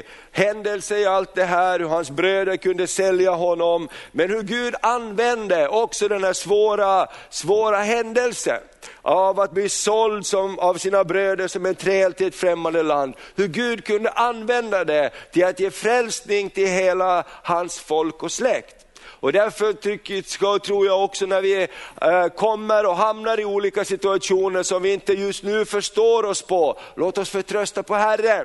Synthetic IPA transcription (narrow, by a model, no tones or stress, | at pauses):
hɛnd̪əlsəɪalt̪̚d̪ɛɦæːɾhɵɾhansbɾøːd̪əɾkɵnd̪əsɛljaɦɔnːɔmmɛnhɵɾɡʉ̟ːd̪anvɛnd̪əʔɔksɔd̪ɛnhæːʂvoːɾasvoːɾaɦɛnd̪əlsə̰ | ʔavat̪̚bliːsɔld̪sɔmavsiːnabɾøːd̪əʂɔmɛnt̪ʰɾeːlt̪ʰɪɛt̪fɾɛmːand̪əland̪hɵɾɡʉ̟ːd̪kʰɵnd̪əʔanːvɛnd̪ad̪ɛt̪ʰɪlat̪jeːfɾɛlsnɪŋt̪ʰɪlɦeːlahansfɔlkɔslɛkt̪ | ɔd̪æɾfœtʏkːskt̪ʰɾuːjaɔksɔnæɾvɪ | kʰɔmːəɾɔɦamnaɾɪuːliːkasɪt̪ɵaʂuːnəʂɔmvɪɪnt̪əjɵst̪nʉ̟ːfœʂt̪oːɾɔspʰɔlʔoːt̪ɔsfœʈ̪ʰɾœst̪apʰɔɦærːə